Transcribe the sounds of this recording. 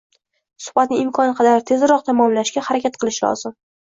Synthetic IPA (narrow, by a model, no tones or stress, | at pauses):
sʊ̥χbat̪nɪɪmkʰɒnɪqʰɑd̪aɾt̪ʰe̞zɾɒq̚t̪ʰamɒmlaʃɡʲahaɾakʲat̪̚qʰɨlˠɪʃlɒ̰z̥ɪm